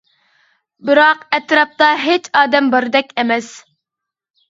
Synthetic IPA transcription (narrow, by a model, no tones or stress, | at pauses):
bɨɾɑqɛt̪ɾɑp̚t̪ɑɦet͡ʃɑːd̪ɛmbɑɾɨd̪ɛkʲɛmɛs